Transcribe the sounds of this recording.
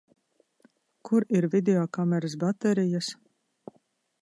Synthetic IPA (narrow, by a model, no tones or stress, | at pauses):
kʰuɾiɾvid̪ʲeɔkamɛɾas̬bat̪ɛɾijas